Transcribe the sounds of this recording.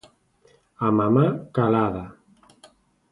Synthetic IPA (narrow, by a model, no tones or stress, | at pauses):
amamakalaða